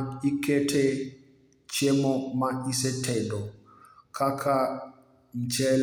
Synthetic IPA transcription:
ikɛtʰɛ | t͡ʃemɔmaʔisɛtʰɛdɔ | kʰakʰa | ɲt͡ʃɛl

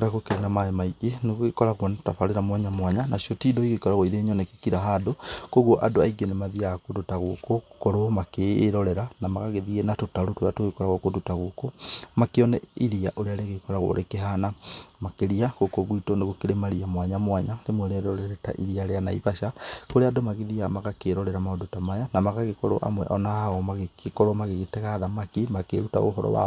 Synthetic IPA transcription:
ɾaɣokeɾenamaemaiɡeneɣoɣekɔɾaɣwɔnatafaɾeɾamwaɲamwaɲanaʃotidoiɣekɔɾaɣoiðeɲɔnɛke̥kiɾaɦadokoɣoʔa̰doaiɡenemaðiakodotaɣokokoɾomakeːɾɔɾɛɾanamaɣaɣeðiɣenatotaɾotwatoɣekɔɾaɣwokodotaɣokomakeɔnɛiɾiaʔoɾealeɣekɔɾaɣo̰ɾʔekeɦanamakeɾiaɣokoɣwitoneɣokeɾemaɾiamwaɲamwaɲalemweɾeɾɔɾɛɾɛta̰ʔḭɾiaɾeanaiβaʃakoɾeadomaɣeðiamaɣakeɾɔɾɛɾamaodotamajanamaɣaɣekɔɾɔ̰ʔa̰mwɛ̰ʔɔnahaɔmaɣeekɔɾɔmaɣeɣetɛɣaðamakimakḛɾuta̰ɣo̰ɦɔ̰ɾɔ̰wa̰

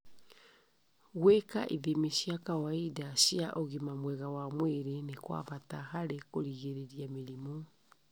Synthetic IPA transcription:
ɣwekaʔiðemiʃjakawaidasiaʔoɣimamwɛɣawamweɾenekwa̰βataɦaɾekoɾiɣeɾeɾijameɾimɔ

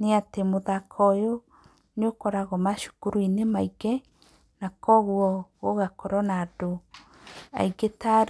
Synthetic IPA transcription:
neatemoðakʰɔjo | neokɔɾaɣɔmaʃu̥kuɾuinemaiɡɛ | nakɔɣuɔɣoɣakɔɾɔnaːdo | a̰iɡetaɾ

